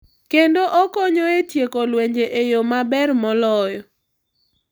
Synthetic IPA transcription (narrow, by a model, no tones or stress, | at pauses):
kendoʔɔkɔɲɔetjekolweɲd͡ʒeʔejomabɛrmɔlɔjɔ